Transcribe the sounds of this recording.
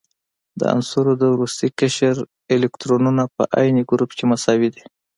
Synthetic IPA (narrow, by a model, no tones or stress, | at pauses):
d̪ə̰a̰nsuɾod̪əwɾust̪ikəʃəɾ | elekt̪ɾonunapə̰ʔɑ̰jneɡɾupkemasɑwid̪e